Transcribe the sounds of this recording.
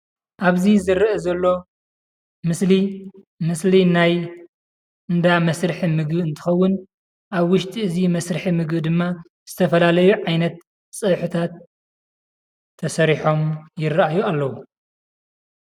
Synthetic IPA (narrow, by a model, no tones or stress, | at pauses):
ʔaβzizɨɾːʔɐzɐlːo̞ | mɨsli | mɨslinaj | ɨnd̪amɐsɾɨħimɨɡbɨnt̪ʰɨ̥xɐwːʊn | ʔaβwʊʃt̪ʼiɨzimɐsɾɨħimɨɡbd̪ɨmːa | z̥ɨt̪ʰɐfɐlalɐjuʕajnɐt̪̚ | sʼɨβħut̪ʰat̪ | ɐsɐɾiħo̞mjɪrɐʔajualːɐwu